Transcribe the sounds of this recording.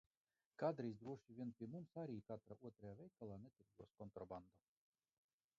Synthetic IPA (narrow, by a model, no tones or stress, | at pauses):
kad̪ɾiːzd̪ɾuɔʃʲivʲiɛnpʲiɛmumsaɾʲiːkat̪ɾauɔt̪ɾajaːvʲɛjkːalˠaːnɛt̪ʲiɾɡuɔskɔnt̪ɾɔband̪o